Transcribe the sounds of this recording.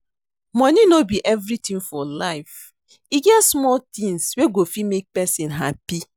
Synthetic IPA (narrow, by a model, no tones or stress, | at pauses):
mɔ̃ninobiʔɛvɾitĩnfɔlaɪf | iɡɛtsmɔltĩnsweɡofimek̚pɛsĩnɦapi